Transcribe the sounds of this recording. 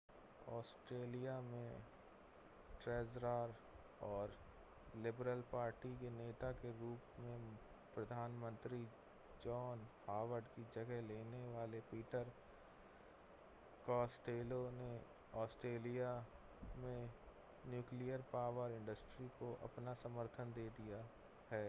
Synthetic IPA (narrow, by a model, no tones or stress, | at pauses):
ɔːsʈɾeːlijamẽ | ʈɾɛːzɾaːɾ | ɔːɾ | lɪbɾəlpaːɾʈikeneːt̪akeɾuːpmẽ | pɾəd̪ʱaːnmə̃nt̪ɾi | d͡ʒɔːnhaːʋəɾɖkid͡ʒɐɡəɦleːneʋaːlepiːʈəɾ | kɔːsʈeːlone | ɔːsʈɾeːlija | mẽ | njuːklijəɾpaːʋəɾɪ̃ɳɖəsʈɾikoʔɐ̰pnasəməɾt̪ʰənd̪eːd̪ija | hɛː